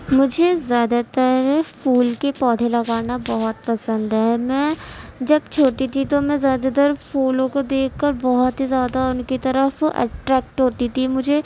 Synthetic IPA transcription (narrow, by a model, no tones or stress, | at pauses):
mʊd͡ʒʱezjaːd̪at̪əɾfʰuːlkepɔːd̪ʱẽlɐɡaːnabɔɦɔt̪pɐsə̃nd̪ɦɛːmɛ̃ːd͡ʒɐb̚t͡ʃʰoːʈit̪ʰit̪omɛ̃zjaːd̪at̪̬əɾfʰoːlõkod̪eːkːɐɾbɔɦt̪ɦizjaːd̪aʊnkit̪ɐɾəfɛ̰ʈɾɛːk̚ʈɦoːt̪it̪ʰimʊd͡ʒʱe